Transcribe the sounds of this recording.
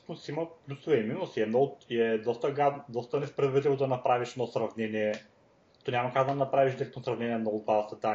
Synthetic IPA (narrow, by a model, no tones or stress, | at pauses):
t̪nʊsimɐplʲusʊvɛiminsiɛd̪nɔiɛd̪ɔst̪əɡad̪ɔst̪ənɛspɾɛd̪vɐɾiiɛvod̪ɐnɐpɾaviʃɛnɔsɾɐvnɛniɛ | t̪ɔnʲamɐkakd̪ɐd̪ɐnɐpɾaviʃd̪iɛk̚t̪sɾɐvnɛniɛnɔɡʊt̪vasɐt̪a